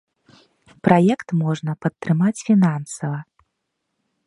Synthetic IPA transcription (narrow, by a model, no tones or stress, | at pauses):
pɾʔajɛkt̪mɔʐnɐpɐt̪ːɾɨmat͡sʲfʲinansɐvɐ